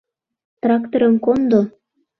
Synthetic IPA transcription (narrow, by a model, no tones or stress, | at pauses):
t̪rɑkt̪oɾɤ̆nkond̪o